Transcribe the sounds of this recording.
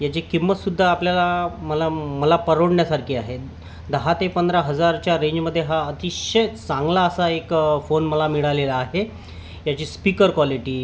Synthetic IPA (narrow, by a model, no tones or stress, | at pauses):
jat͡ɕekimːət̪sud̪ʱːaːpljalaməlaməlapəɾoɽɳjasaɾkʰiːaɦe | d̪əɦat̪epənd̪ɾaɦəd͡zaɾt͡ɕjaɾẽɲd͡ʑməd̪ʱːjeɦaət̪iɕəjt̪t͡sãŋɡlaəsaekfonməlamiɭaleləaɦe | jat͡ɕiːspikəɾkʋaliʈiː